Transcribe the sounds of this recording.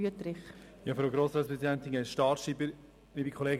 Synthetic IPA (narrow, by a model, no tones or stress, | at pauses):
yət̪ɾɪχjɑfɾowɡɾoːsɾɑːtspɾɛsidɛnt̪inɡɛtʃtɑːʃiːbə | nibikʰχɔleːɡ